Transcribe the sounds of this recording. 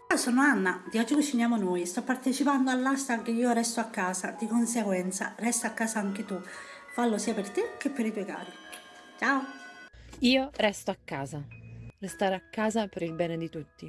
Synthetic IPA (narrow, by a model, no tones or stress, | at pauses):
t͡ʃaosɔːnoanːad̪iɔd͡ʒːikut͡ʃːinjaːmonojst̪ɔpːart̪et͡ʃipand̪oalːast̪ak̟eiːoɾɛst̪oakːaːsad̪ikonseɡwɛnt̪sa̰rɛst̪aakːaːsaaŋk̟ɪt̪ufalːosiːapert̪ɪk̟epːeɾit̪ɔːjka̰ːɾi | t͡ʃaːo | iːorɛst̪oakːaːzarest̪aːɾeakːaːzapeɾilbɛːned̪it̪ut̪ːi